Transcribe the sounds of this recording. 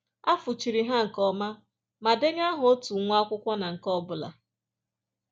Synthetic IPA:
a˦fʊ˨t͡ʃi˨ɾi˨ɦa˦ŋ̩˨kɔ˦ma˦ | ma˨de˦ɲ˦a˦ɦʊ˨o˦tu˨ŋʷ˦a˦kʷʊ˦kʷa˦na˨ŋ̩˨kɔ˦bʊ˨la̰˨

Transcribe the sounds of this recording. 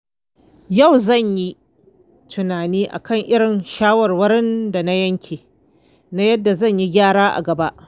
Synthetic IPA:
jɐ˦˨wzɐ˦˨ɲji˦ | tʰʊ˨naː˨niː˦ʔa̰˨kʰɐ˦˨ŋʔɪ˦ɽɪ˨nʃaː˦wɐ˨rwɐ˦ɾɪ˦nda˨na˦jɐ˦ŋkʲʰeː˨ | na˦jɐ˦dːa˨zɐ˦˨ɲji˦ɡʲaː˦ɽaː˦ʔa̰˨ɡɐ˨ba˦ʔ

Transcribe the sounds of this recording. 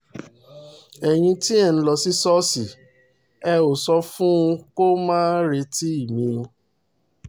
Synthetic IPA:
ɛ˨j̃ĩ˧tĩ˦ɛ˦˨ñ̩˧˦lɔ˧˨si˦sɔ˦si˨ | ɛ˧o˨sɔ˧˦fũ˦ũ˧ko˦mãː˦n˦ɾe˧ti˦i˦˨mĩ˧

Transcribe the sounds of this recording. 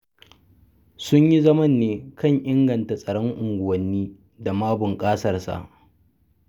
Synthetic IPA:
sʊ˦ɲji˦zɐ˦mɐ˦˨nːeː˨˦kʰɐ˦˨ɲʔɪ˦ŋɡɐ˨nta˨sʼɐ˨ɽɔ˦ŋʔʊ˨ŋɡʷʊ˨wɐ˨nːiː˦ | da˨maː˦bʊ˨ŋkʼaː˦sɐ˦rsa̰˨ʔ

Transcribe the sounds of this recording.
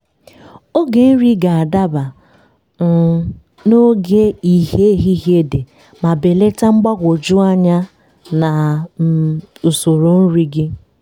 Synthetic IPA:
o˦ɡe˨n̩˦ɾi˦ɡa˨a˨da˦ba˨ | no˦ɡe˦i˨ɦe˦ɦi˦ɦe˦de˨ | ma˨be˨le˦ta˦ŋ͡m̩˦ɡ͡ba˦ɡʷo˨d͡ʒʊ˦a˦ɲa˦ | na˨˦ | o˨so˨ɾo˨n̩˦ɾi˦ɡɪ˦

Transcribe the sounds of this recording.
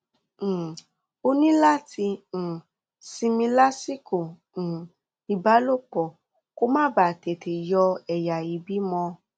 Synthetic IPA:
o˧nĩ˦la˦tĩ˧˨ | si˧mĩ˧la˦si˦kõ˨ | i˨ba˨˦lo˦˨k͡pɔ˨ | ko˦mãː˦baː˦˨te˨tʰe˨jɔ˧ɛ˨ja˨i˨˦bi˨˦mɔ̃˧

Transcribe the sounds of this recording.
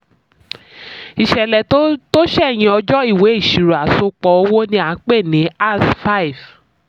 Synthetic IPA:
i˨ʃɛ˨lɛ˨to˦ʃɛ˦˨j̃ĩ˧ɔ˧d͡ʒɔ˦i˦˨we˨˦i˦˨ʃi˨ɾu˨a˨so˧k͡pɔ˧˦o˧wo˦nĩ˧a˨˦k͡pe˦˨nĩ˨˦a˦˨sfa˦i˨v

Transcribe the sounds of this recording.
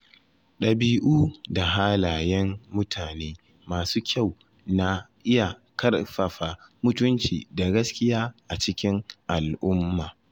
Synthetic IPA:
ɗɐ˨biː˦ʔuː˦da˨ɦaː˦laː˨jɛ˦mːʊ˦tʰaː˨neː˦ | maː˨suː˦kʲa˦˨w | na˦ʔɪ˦ja˨ | kɐ˦rɸɐ˨ɸa˨mʊ˦tʊ˦nt͡ʃḭː˨da˨ɡɐ˦skʲɪ˦jaː˦ʔa˨t͡ʃɪ˦kʲɪ˦ŋʔa˨lʔʊ˦mːaː˨

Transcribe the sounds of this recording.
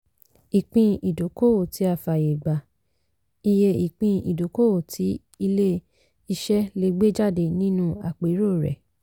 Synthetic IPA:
i˨k͡pĩ˧i˨do˨˦ko˦˨o˨ti˨˦a˧˨fa˨je˨ɡ͡ba˨ | i˧je˧i˨k͡pĩ˧i˨do˨˦ko˦wo˨tʰi˨˦ | i˧le˦ | i˧ʃɛ˦le˧˦ɡ͡be˦d͡ʒa˦˨de˧nĩ˦nũ˦a˨k͡pe˨˦ɾo˦˨ɾɛ̰˨

